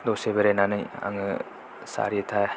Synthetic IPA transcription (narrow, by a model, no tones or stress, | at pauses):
dɔsebɐɾenanɯja̰ŋɯ | sa̰ɾiet̪ʰa